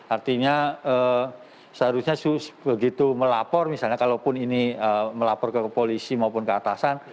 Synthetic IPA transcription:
art̪iɲaə | səɦaɾusɲasubəɡit̪uməlapɔrmisalɲakalopʊniniəməlapɔrkəpolisimaupʊnkəat̪asan

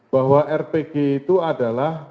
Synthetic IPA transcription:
b̥aɦwaʔɛrpeɡ̥eit̪uadalah

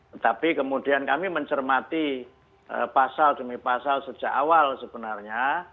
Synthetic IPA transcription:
ət̪apikəmud̥iankamiməɲt͡ʃərmat̪i | ʔə̰pasald̥əmipasalsəd̥d͡ʒ̥aʔawalsəb̥ənarɲa

